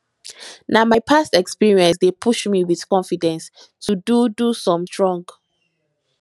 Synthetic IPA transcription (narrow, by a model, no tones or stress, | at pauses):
namajpʰastɛkspiɹiɛ̃ns̬depʰuʃmiwið̥kɔ̃nfidɛ̃ns | tʰududusɔ̃mdɹɔ̃ŋɡ